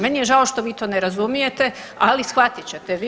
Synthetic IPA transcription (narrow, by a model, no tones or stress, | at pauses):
menijeʒaoʃt̪o̞ʋiːt̪o̞ːneɾazumije̞t̪e | alisxʋat̪it͡ɕe̞t̪eʋi